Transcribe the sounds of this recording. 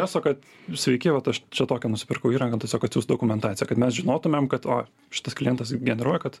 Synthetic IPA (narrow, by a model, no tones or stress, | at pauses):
æːsoːkɐt̪ | sʲʋʲɛɪkʲɪʋɐt̪ɐʃt͡ʃʲɛt̪oːkʲɛnʊsʲɪ̥pʲɪɾkɐʊiːɾɐŋɡɐt̪ʲɛsʲoːkɐt̪sʲjuːsd̪okʊmʲɛnt̪ɑːt͡sʲɪjɛkɐt̪mʲɛsʒʲɪnoːt̪ʊmʲɛmkɐt̪oː | ʃʲɪ̥t̪ɐsklʲɪjɛnt̪ɐsɡʲɛnʲɛɾuɔjɛkɐt̪